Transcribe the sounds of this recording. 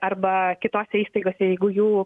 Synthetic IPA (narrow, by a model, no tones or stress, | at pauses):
ɐɾbɐkʲɪt̪oːsʲɛiːst̪ɐɪɡoːsʲɛjɛɪɡʊjuː